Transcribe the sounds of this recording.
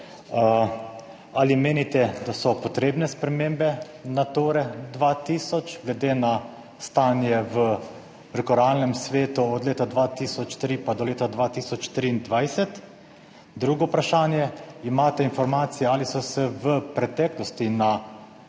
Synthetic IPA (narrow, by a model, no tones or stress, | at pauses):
aːlimeːnit̪ɛd̪asɔpɔt̪ɾeːbnɛspɾɛmembɛ | nat̪oːɾɛd̪ʋat̪iːsɔt͡ʃɡlɛd̪eːna | st̪aːnjɛʋə | pɾɛkɔɾaːlnɛmsʋeːt̪uɔd̪leːt̪ad̪ʋat̪iːsɔt͡ʃt̪ɾipad̪ɔleːt̪ad̪ʋaːt̪iːsɔt͡ʃt̪ɾind̪ʋajsɛt̪ | d̪ɾuːɡɔpɾaʃaːnjɛimaːt̪ɛinfɔɾmaːt̪sijɛalisɔsɛʋəpɾɛt̪ɛːklɔst̪ina